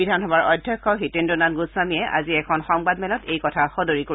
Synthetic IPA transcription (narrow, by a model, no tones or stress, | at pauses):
bidʱanɦɔbaɹɔdʱjɔkʰːɔɦitendunanɡuswamijɛʔa̰ziɛkʰɔnxɔŋbadmɛlɔtejkɔtʰaxɔdoɹiko